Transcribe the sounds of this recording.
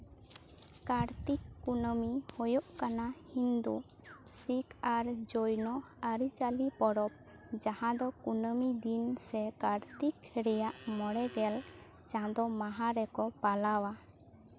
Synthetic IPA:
kaɾt̪ikːunəmihɔjɔʔkanahind̪usikaɾd͡ʒojnɔ | aɾit͡ʃalipɔɽɔp̚ | d͡ʒahãd̪ɔkunəmid̪insɛkaɾt̪ikɾɛjaʔmɔɽɛɡɛl | t͡ʃãd̪ɔmaɦãɾɛkɔpalawa

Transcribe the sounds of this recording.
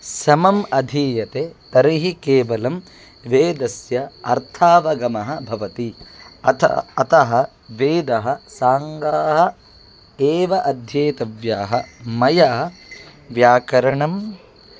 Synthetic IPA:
sɐmɐmɐd̪ʱiːjɐt̪et̪ɐɾiɦikeːʋɐlɐm | ʋeːd̪ɐsjɐɐ̰ɾt̪ʰaːʋɐɡɐmɐɦɐ̆bʱɐʋɐt̪iɐtʰɐt̪ɐɦɐ | ʋeːd̪ɐɦɐ̆saːŋɡaːɦɐ̆ | eːʋɐʔɐd̪ʱjeːt̪ɐʋjaːɦɐmɐjaː | ʋjaːkɐɾɐɳɐm

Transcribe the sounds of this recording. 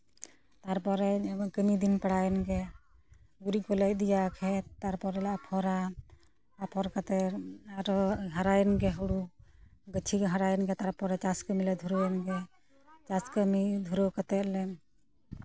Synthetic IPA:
t̪aɾpɔɾɛkəmid̪inpaɽajɛnɡɛ | ɡuɾikɔlɛj̚d̪ijakʰɛt̪aɾpɔɾɛlaʔapʰɔɾa | apʰɔɾkat̪ɛaɾɔɦaɾajɛnɡɛɦuɽuɡət͡ʃʰikɦaɾajɛnɡɛt̪aɾpɔɾɛt͡ʃaskəmilɛd̪ʱuɾɔjɛnɡɛ | t͡ʃaskəmid̪ʱuɾəwkat̪ɛt̪̚lɛn

